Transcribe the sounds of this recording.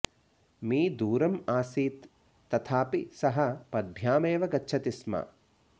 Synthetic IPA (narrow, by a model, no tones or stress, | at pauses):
miːd̪uːɾɐmaːsiːt̪ː | ɐt̪ʰaːpisɐɦɐpɐd̪̚bʱjaːmeːʋɐɡɐtːʃʰɐt̪ismɐ̰